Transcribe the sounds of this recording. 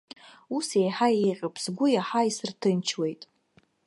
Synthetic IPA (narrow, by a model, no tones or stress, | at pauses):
usejħajejqʲʼəpʰsɡʷʊjaħaisɨrtʰɨnt͡ʃʰwe̞jtʼ